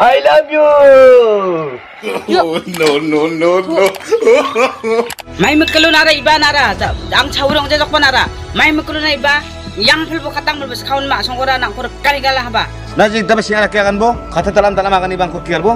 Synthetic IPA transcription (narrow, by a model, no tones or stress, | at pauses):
ajlabjo | nɔnɔnɔnɔ | majmɯkɯlunaɾaibanaɾaaŋt͡ʃʰawɾɔŋzazɔk̚banaɾa | majmɯkɯlunaiba | jaŋpʰɯlbɔkʰataŋmɯɾbaskʰawnmasɔŋkɔɾanaŋkʰɔɾɯkaniɡalaɦaba | nazidabasiŋaɾakeaɡanbɔkʰatʰatalamdalamaɡanibaŋkʰɔkiaɾbɔ